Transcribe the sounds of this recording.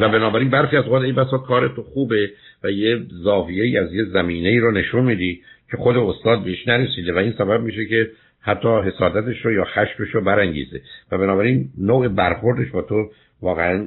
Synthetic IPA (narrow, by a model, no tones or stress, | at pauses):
væbenɒːbæɾiːnbæɾxiːæzoɣɑːt̪ejbæsɒːkʰɒːɾe̞t̪ʰoxuːbe̞ | væjezɒːvijeiːæzjezæmiːneiːɾone̞ʃunmiːd̪iːcʰe̞xo̞d̪e̞ost̪ɒːd̪̚beeʃnæɾesiːd̪evæiːnsæbæb̚miːʃ̬ece̞ | hæt̪ʰːɒːɦe̞sɒːd̪æt̪e̞ʃɾojɒːxæʃfeʃɾobæɾæŋɟḭːzḛvæbenɒːbæɾinnoːebæɾxo̞ɾd̪e̞ʃbɒːt̪ʰo | vɒːɣeæn